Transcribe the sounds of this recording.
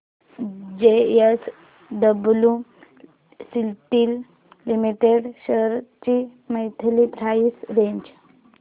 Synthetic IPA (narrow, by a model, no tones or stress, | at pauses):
d͡ʑees | ɖəblu | silʈiːl | limiʈeɽɕəɾt͡ɕiməjt̪ʰlipɾaisɾeɲd͡ʑ